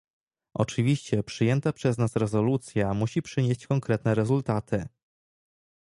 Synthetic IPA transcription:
ʔɔ̰t͡ʂɘvʲiɕt͡ɕɛpʂɘjɛnt̪apʂɛznasɾɛzɔlut̪sʲjamuɕipʂɘɲeɕt͡ɕkɔŋkɾɛt̪nɛɾɛzult̪at̪ʰɘ

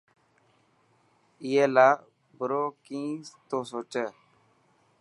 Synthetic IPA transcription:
ijela | bəɾokĩst̪osot͡ʃə

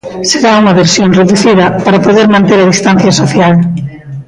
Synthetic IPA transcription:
seɾauŋɐβeɾsjonreðuθiðɐpaɾapoðeɾmãnt̪eɾɐðist̪an̟θjɐsoθjal

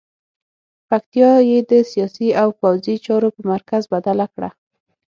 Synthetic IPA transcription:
pak̚t̪ijɑjed̪əsijɑsiawpawzit͡ʃɑɾopəmaɾkazbad̪alakɽa̰

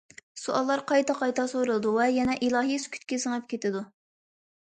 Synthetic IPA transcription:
suʔɑlˠːɑɾqʰɑjt̪ʰɑqɑjt̪ʰɑsoɾɨlˠɨd̪uvɛjɛnɛʔilˠɑːɦijskʲʰy̥t̪̚ʲkʲɪsəŋɛp̚kʲʰet̪ɪd̪u

